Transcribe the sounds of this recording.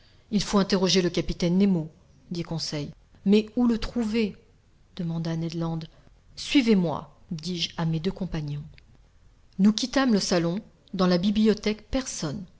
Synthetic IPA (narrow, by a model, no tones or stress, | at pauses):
ilfoɛ̃t̪eʁɔʒeləkapit̪ɛnːemo | d̪ikɔ̃sɛj | mɛulət̪χuve | d̪̥əmɑ̃d̪anɛd̪lɑ̃d̪ | sɥivemwa̰ | d̪iʒamed̪økɔ̃paɲɔ̃ | nukʲit̪amləsalɔ̃ | d̪ɑ̃labibliɔt̪ɛkpɛʁsɔn